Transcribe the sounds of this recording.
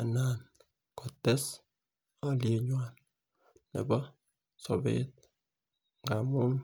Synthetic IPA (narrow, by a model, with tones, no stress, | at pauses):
a˨na˨n | kɔ˨tːɛ˦s | a˦˨lje˨ɲwa˨nː | ɛ̰˨bɔ˦ | so˨bḛ˦t̚ | ŋɡa˨mu˦n